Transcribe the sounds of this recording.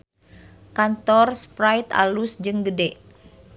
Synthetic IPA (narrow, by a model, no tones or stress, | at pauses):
kant̪ɔrspɾajt̪a̰lusd͡ʒɨŋɡədɛʔ